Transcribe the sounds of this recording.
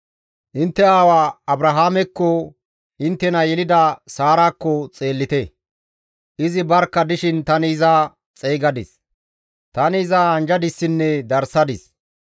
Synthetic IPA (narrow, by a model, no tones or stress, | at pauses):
ʔɪnt̪ːɛaːwaːɐbɾɐɦaːmɛkːɔ | ʔɪnt̪ːɛnɐjɛlɪd̪ɐsaːɾaːkːɔt͡sʼe̞ːlːɪt̪ɛ | ʔɪzɪbɐɾkːɐd̪ɪʃɪnt̪ɐnɪɪza | t͡sʼɛjɡɐd̪ɪ̰s | t̪ɐnɪːzaɐnd͡ʒɐd̪ɪsːɪnːɛd̪ɐɾsɐd̪ɪs